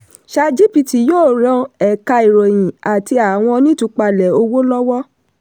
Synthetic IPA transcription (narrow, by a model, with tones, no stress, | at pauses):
ʃa˧d͡ʒi˦pi˧ti˨joː˦˨ɾã˧ɛ˨ka˧i˨ɾɔ˨j̃ĩ˨a˨ti˧a˨w̃ɔ̃˧nĩ˦tũ˧k͡pa˧lɛ˨o˧wo˦lɔ˦wɔ˦